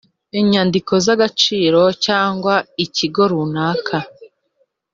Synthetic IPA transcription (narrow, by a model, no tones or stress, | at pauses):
eɲandikʰo̞zaɡat͡ʃiːɾo̞caːŋɡwaiciɡo̞ɾunaːkʰa